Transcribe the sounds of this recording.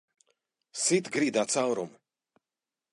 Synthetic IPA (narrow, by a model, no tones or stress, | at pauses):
sit̪ɡɾid̪aːt̪sawɾum